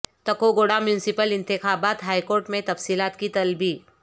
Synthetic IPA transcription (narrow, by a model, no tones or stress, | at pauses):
t̪ɐkoɡoːɽamjʊːnɪsɪpəlɪ̃nt̪ɪxaːbaːt̪ɦaːikoːɾʈmẽt̪ɐfsiːlaːt̪kit̪ɐlbiː